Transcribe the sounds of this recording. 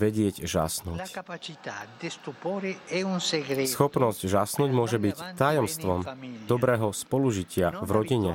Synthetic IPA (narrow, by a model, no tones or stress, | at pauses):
ʋɛɟɪɛɟʒa̰snuːckapat͡ʃit̪ad̪est̪upoːɾeɛunseɡɾesxɔpnɔscʒasnuːɟmʊɔʒɛbict̪ajɔmst̪ʋɔmd̪ɔbɾɛːɦɔspɔluʒicɪavɾɔɟiɲɛ